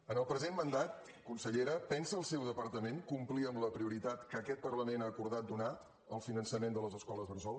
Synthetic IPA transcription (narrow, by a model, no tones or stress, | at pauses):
ənəlˠpɾəzenmənd̪at̪̚ | kunsəʎeɾəpɛnsəːlˠsɛwðəpəɾt̪əmeŋkumpliəmləpɾiuɾit̪at̪kəːkɛt̪̚pərləmenaəkuɾð̞at̪̚d̪una | əlˠfinənsəmend̪ələzəskɔləzβərzɔlˠ